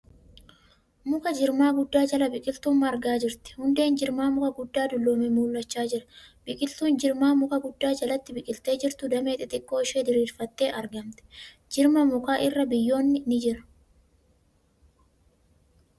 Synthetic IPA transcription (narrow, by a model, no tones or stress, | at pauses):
mʊkɐd͡ʒɪɾmaːɡʊd̪ːaːd͡ʒɐlɐbɪkʼɪlt̪ʊmːɐːɾɡaːd͡ʒɪɾt̪ɪ̥hʊnd̪e̞ːnd͡ʒɪɾmaːmʊkɐɡʊd̪ːaːd̪ʊlːoːmɛmuːlːɐt͡ʃːaːd͡ʒɪɾɐ̥bɪkʼɪlt̪uːnd͡ʒɪɾmaːmʊkɐɡʊd̪ːaːd͡ʒɐlɐt̪ːɪbɪkʼɪlt̪e̞ːd͡ʒɪɾt̪ʊd̪ɐme̞ːt̪ʼɪt̪ʼɪkʼːo̞ːɪʃeːd̪ɪɾiːlfɐt̪ːe̞ːʔɐɾɡɐmt̪ɛ̥ | d͡ʒɪɾmɐmʊkaːʔɪrːɐbɪjːo̞ːnːɪnɪd͡ʒɪɾɐ̥